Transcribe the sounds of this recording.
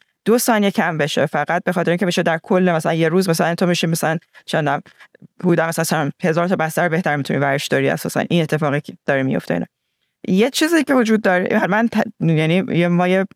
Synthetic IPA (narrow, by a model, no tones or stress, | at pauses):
d̪̥osɒːniecʰæmbe̞ʃefæɣæt̪̚be̞xɒːt̪eɾiŋcʰeeʃed̪æɾkʰo̞lːemæsælænje̞ɾuːzmæsælænt̪ʰomiʃimæsælænt͡ʃʰend̪æmhud̪æmæsænslænhezɒːɾt̪ʰɒːbæst̪æɾobe̞ht̪ʰæɾmit̪ʰuniːvæɾeʃd̪ɒːɾiæ̰sɒ̰ːsæ̰nʔinet̪ʰːe̞fɒːɣid̪̥ɒːɾemijo̰ft̪eḭnɒ̰ | jet͡ʃʰiːzicʰevod͡ʒuːd̪ːɒːɾeʔmænt̪ʰjænijemɒːje